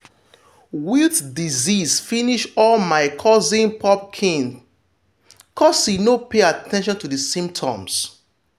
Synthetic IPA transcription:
witdizisfiniʃɔlmaɪkʰɔzĩnpʰɔp̚kʰĩŋ | kʰɔsinopeatʰɛ̃nʃ̬ɔ̃ntuðəsĩmp̚tʰɔ̰̃ms

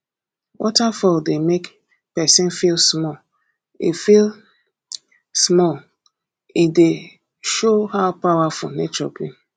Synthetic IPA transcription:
wʔɔ̰tafɔldemek | pɛsĩnfilˠsmɔl | ifil | smɔl | ide | ʃohaʊpawafɔ̰net͡ʃɔ̰bi

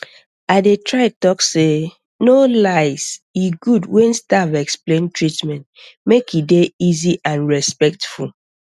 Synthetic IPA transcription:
aɪdetʰɹaɪtɔkse | nolaɪsiɡudwɛ̃nstavɛksplẽntʰɹitmɛ̃nt | mekjideiziʔãnɹɛspɛk̚tful

